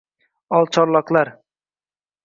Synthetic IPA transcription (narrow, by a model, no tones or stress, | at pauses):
ɒlˠt͡ʃʰɒɾlˠɑqlˠaɾ